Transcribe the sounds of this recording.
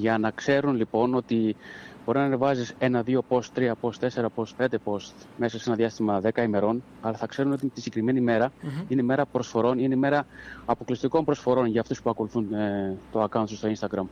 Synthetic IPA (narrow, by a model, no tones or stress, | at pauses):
ʝɐnɐkse̞ɾunlipo̞no̞t̪ibo̞ɾinɐnevɐzise̞nɐðio̞po̞st̪ɾiɐpo̞st̪e̞se̞ɾɐpo̞spe̞nd̪e̞po̞st̪me̞sɐse̞nɐðjɐst̪imɐðe̞kɐime̞ɾo̞n | ɐlɐθɐkse̞ɾuno̞t̪it̪isɟ̥ekɾime̞nime̞ɾɐine̞ime̞ɾɐpɾo̞sfo̞ɾo̞nineime̞ɾɐːpo̞klist̪iko̞mpɾo̞sfo̞ɾo̞nʝɐːft̪uspuɐko̞luθunt̪o̞ɐkɐwnsst̪o̞inst̪ɐɡɾɐm